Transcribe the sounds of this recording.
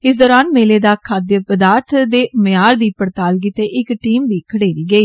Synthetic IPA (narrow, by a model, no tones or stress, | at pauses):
ɪs̬d̪ɔːɾaːnmeːleːd̪aːkʰaːd̪jəpəd̪aːɾt̪ʰd̪eːmɪjaːɾd̪iːpəɾt̪aːlk̬it̪eːʔɪkʈiːmʋiːkʰəɽeːɾiːɡəiː